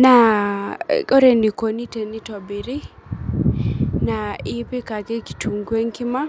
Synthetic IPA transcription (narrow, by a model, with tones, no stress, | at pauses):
na˨ | kɔ˦ɾɛ˨ni˨ko˨ni˦tɛ˨ni˦tɔ˨bi˨ɾi˦ | na˨i˦pi˦ka˨kɛ˦ki̥˨tʰu˨ŋɡwe˦ŋki˦ma˦